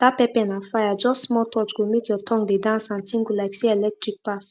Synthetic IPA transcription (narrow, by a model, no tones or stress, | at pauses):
d̥apɛpɛ̃nãfajad͡ʒɔstsmɔtʰɔt͡ʃɡomitjɔtʰɔ̃ŋɡdedãnsãntʰĩŋɡulajksiɛlɛk̚tɹik̚pas